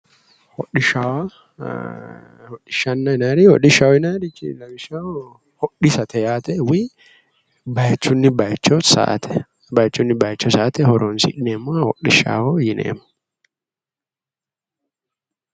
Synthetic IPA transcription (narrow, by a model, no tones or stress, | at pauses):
hɔɗɪʃaːwa | hɔɗːɪʃɐnːɐɪnaːɾihɔɗɪʃawɔɪnaːɾit͡ʃːḭlɐbɪʃa | hɔᶑɪsɐt̪ʰɛjaːt̪ɛwi | bɐjt͡ʃːʊnːɪbɐjt͡ʃːɔsa̰ːt̪ʰɛ̥ | bajt͡ʃːʊnːɪbɐjt͡ʃːɔsaːt̪ɛhɔɾoːnsɪ̰ᶑɪneːmːʊahɔɗɪʃa̰ːwɔjɪnḛːmʊ